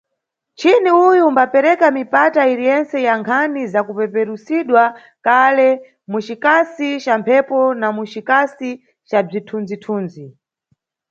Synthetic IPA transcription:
t͡ʃiniujumbapɛɾɛkamipataiɾijɛnt͡sɛjaŋkʰanizakupɛpɛɾusiɗwa | kalɛ | mut͡ʃikasit͡ʃampʰɛpɔnamut͡ʃikasi | t͡ʃab͡ʐitʰund͡zitʰuːnd͡zi

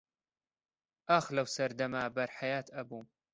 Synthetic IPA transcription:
ʔaxlɐwsɐɾd̪ɐmaːbɐɾħajaːt̪ʰɐbuːm

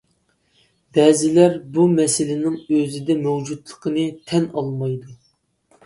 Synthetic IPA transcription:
bɛzɪlæɾbumɛsɪlɪnɪŋøzɪd̪ɛmɛwd͡ʒut̪lˠə̥qʰənɨt̪ʰɛnɑlˠmɑjd̪u

